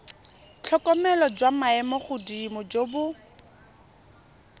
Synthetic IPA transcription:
t͡ɬʰɔkʼɔmɛlɔd͡ʒwamaɛmɔχʊdimʊd͡ʒobʊ

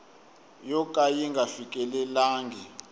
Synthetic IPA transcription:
jɔkʼajiŋɡʱafikʼɛlɛlaːŋɡʱɛ

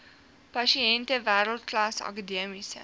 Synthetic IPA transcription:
pɐʃiɛntəvæːɾəlˠt̚klɐsɐ̰kədiəmisə̰

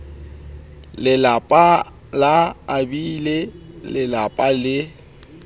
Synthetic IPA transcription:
lɪlapʼa | laːbilelɪlapʼalɪ

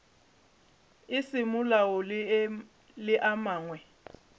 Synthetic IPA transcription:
ɪsɪmʊlaɔ | lɪʔamaːŋwɛ

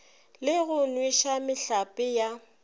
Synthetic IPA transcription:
lɪɣʊnwiʃamɪɬapʼɪja

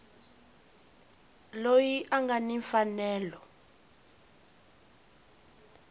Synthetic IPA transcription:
lojiʔaŋɡaniɱfanɛːlɔ

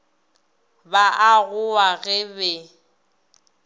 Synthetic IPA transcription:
baʔaɣʊaɣɛbɛ

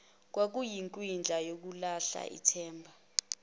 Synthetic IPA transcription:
k̬wak̬ujiŋkʼwind͡ɮʱajok̬ulaɬa̰ʔḭtʰɛːmbʱa

